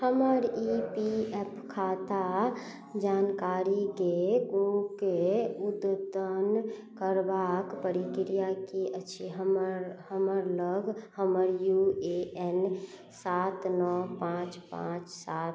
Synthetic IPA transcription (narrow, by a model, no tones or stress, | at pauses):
həməɾipiɛpkʰat̪a | d͡ʒaːnkaɾikeɡũkeud̪d̪ənkəɾbakpəɾikɾijakiət͡ʃʰiɦəmɾɦəməɾləɡʱhəməɾjueɛn | sat̪nɔpãt͡ʃpã̰t͡ʃsat̪